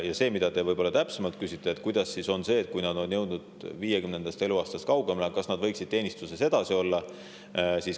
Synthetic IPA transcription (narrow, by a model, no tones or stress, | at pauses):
jɑse̞ːmid̪̥ɑd̪e̞vɤjbo̞lːɑt̪æpsemɑlt̪̚kysit̪ˑːeet̪ˑkujd̪̥ɑsːiso̞nse̞ːt̪̚kujnɑd̪o̞njɤ̞wd̪nud̪̥viːjekymnend̪ɑst̪e̞luɑːst̪ɑst̪kɑwɡ̥emlekɑsnɑd̪vɤ̞jksid̪̥̚t̪e̞ːnist̪use̞se̞d̪̥ɑsio̞lːɑ | siːs